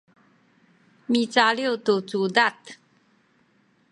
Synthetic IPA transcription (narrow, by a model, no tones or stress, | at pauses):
mit͡saljot̪ut͡sud̪at̪